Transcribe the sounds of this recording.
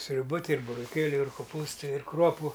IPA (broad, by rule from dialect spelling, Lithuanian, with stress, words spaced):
sʲrʲʊˈbɐ ˈtɐɪ ɪr bʊroːˈkʲeːlʲʊ ɪr koːˈpuːstɐɪ ɪr ˈkruɔpʊ